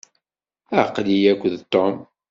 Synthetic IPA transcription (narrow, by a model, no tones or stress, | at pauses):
æqlijækʷːðt̪ːɔm